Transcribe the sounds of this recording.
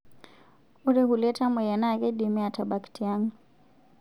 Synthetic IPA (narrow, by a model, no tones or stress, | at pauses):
uɾɛhulɛtamɛjanakɛɗimiataɓaktʰiaŋɡu